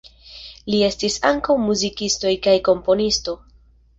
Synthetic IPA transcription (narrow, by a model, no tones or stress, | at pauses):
lie̞stisaŋkawmuzikisto̞jkajko̞mpo̞nisto̞